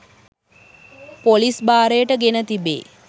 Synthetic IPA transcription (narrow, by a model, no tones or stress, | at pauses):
polisbaːɾəjəʈəɡenət̪ibḛː